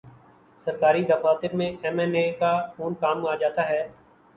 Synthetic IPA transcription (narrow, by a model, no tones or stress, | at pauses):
səɾkaːɾid̪əfaːt̪ɪɾmẽɛmɛːneːkafuːnkaːmaːd͡ʒaːt̪aːɦɛː